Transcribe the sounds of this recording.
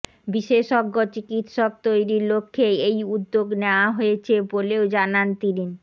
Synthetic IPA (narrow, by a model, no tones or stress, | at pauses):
biʃeʃɔɡːot͡ɕikit̪ʃɔk̚t̪ojɾiɾlokʰːeejud̪ːoɡneoaɦoet͡ɕʰeboleod͡ʑanant̪inin